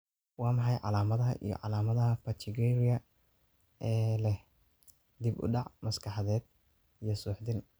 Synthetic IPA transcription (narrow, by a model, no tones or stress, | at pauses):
wɑːmɑħɑjʕɑ̰laːmɐðɐɦɐ̰ʔḭjɞ̰ʕɑ̰laːmɐðɐɦɐpɐt͡ʃʰɪɡɛɾɪjɐ | ɛːlɛh | d̪ibʊ̰ɖɑʕmɐskʰɑħɑðɛːd̪̚ | ijɞsuːħd̪ɪn